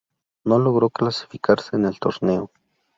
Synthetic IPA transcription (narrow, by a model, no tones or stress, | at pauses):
noloɣɾoklasi̥fikaɾseːnelt̪oɾneo